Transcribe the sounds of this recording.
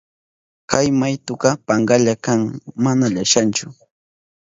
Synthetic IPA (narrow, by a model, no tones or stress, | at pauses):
kajmajt̪ʊqɑpɑɴɢɑʎakaŋmanaʎaʃant͡ʃʊ